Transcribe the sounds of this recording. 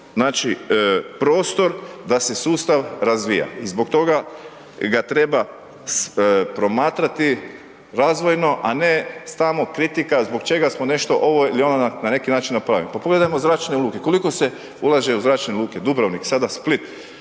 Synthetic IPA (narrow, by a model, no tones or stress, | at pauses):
znaːt͡ʃipɾo̞ːst̪o̞ɾd̪ase̞suːst̪aʋɾazʋija̰izbo̞kt̪o̞ɡa | ɡat̪ɾe̞ba | spɾo̞maːt̪ɾat̪i | ɾazʋo̞jno̞ʔanest̪amokɾit̪ikazbo̞kt͡ʃe̞ɡasmone̞ʃt̪o̞ʔoʋoilio̞nd̪anane̞kinaːt͡ʃinːapɾaːʋḭmpapoɡle̞d̪ajmozɾaːt͡ʃne̞uluːke̞ko̞liko̞se | ulˠaʒe̞uzɾaːt͡ʃneuluːked̪ubɾoʋniksad̪asplit̪